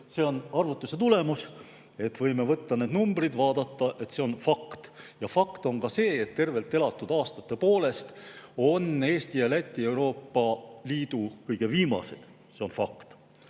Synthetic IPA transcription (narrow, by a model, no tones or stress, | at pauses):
se̞ːonɑrvut̪ːˑuse̞t̪ule̞mus | e̞t̪ːˑvɤ̞jme̞vɤt̪ːɑneːd̪numbrid̪vɑːd̪ɑt̪ˑːɑʔe̞t̪se̞o̞nfɑkt̪jɑfɑkt̪o̞ŋkɑse̞ːet̪ːe̞rve̞lt̪ːˑe̞lɑt̪ːˑud̪ɑːst̪ɑt̪ːˑe̞po̞ːle̞st̪o̞ne̞ːst̪ijɑlæt̪ʲːˑie̞wɾo̞ːpːɑliːd̪̥ukɤjɡ̥e̞viːmɑ̰se̞d̪̥ | seo̞nfɑkt̪